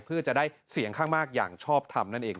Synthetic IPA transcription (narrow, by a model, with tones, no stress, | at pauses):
pʰɯ˥˩ɐt͡ɕa˨˩ʔdaː˥˩jsi˨˩˦əŋkʰaː˥˩ŋmaː˥˩k̚ja̰ː˨˩ŋt͡ɕʰɔː˥˩p̚t̪ʰa˧mna˥˩nʔeː˧ŋ